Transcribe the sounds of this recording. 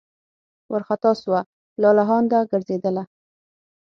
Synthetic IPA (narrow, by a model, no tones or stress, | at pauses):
waɾxat̪ɑswa | lɑlaɦɑnd̪aɡəɾzed̪əla